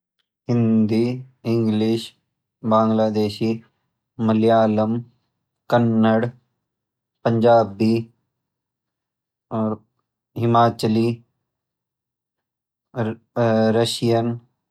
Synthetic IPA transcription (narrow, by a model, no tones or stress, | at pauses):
ɦɪ̃nd̪iːɪ̃ŋɡlɪʃ | baːŋɡlaːd̪eːʃiː | məlijaːləm | kənːəɽ | pəɲd͡ʒaːbi | ɦɪmaːt͡ʃəli | ɾəʃijən